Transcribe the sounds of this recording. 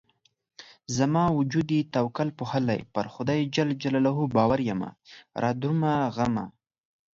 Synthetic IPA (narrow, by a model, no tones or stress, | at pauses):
zamɑwʊd͡ʒud̪it̪awkalpuhəla̰jpaɾxʊd̪ɑjd͡ʒald͡ʒalɑlaɦubɑwaɾjama̰ɾʔɑd̪umaɣama̰